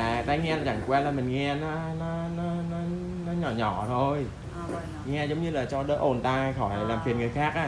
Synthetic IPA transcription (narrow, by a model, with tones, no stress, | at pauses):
aː˨˩t̪a˧jŋɛ˧laː˨˩t͡ɕa˧˩ŋkwɛ˧nlaː˨˩mï˨˩ŋ̟ŋɛ˧nɔ˨˦nɔ˨˦nɔ˨˦nɔ˨˦ | nɔ˨˦ɲɔ˧˩ɲɔ˧˩˦t̪ʰo˧j | ŋɛ˧zə˨˦wŋ͡mɲɨ˧laː˨˩t͡ɕɔ˧ɗəː˨˦˥ʔo˨˩nt̪aː˧xɔ˧˩jlaː˨˩mfʰi˨˩ənŋɨ˨˩əjxaː˦˥k̚ʔaː˧˩